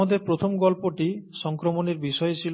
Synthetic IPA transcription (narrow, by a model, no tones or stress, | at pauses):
ad̪eɾpɾot̪ʰomɡɔlpoʈisɔŋkɾomoneɾbiʃɔjet͡ɕʰil